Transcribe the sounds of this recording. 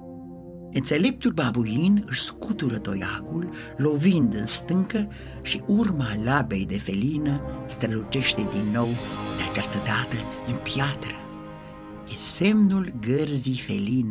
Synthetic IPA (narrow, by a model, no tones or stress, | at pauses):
ɨnt̪selep̚t̪ulbabujinɨʃskut̪uɾət̪ojakulː | ovind̪ɨnst̪ɨŋkə | ʃiʔurmalabejd̪efelinəst̪ɾəlut͡ʃeʃt̪ed̪inːo̞wd̪eat͡ʃast̪əd̪at̪əɨnpjat̪ɾə | jesemnulɡərzifelin